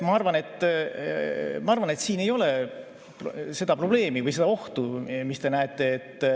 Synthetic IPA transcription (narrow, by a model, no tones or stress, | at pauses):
mɑɑrvɑne̞t̪ːˑ | mɑɑrvɑne̞t̪siːne̞jo̞le̞ | pse̞d̪̥ɑpro̞b̥le̞ːmivɯjse̞d̪ɑo̞ht̪umist̪e̞næet̪ˑːe̞ːt̪ː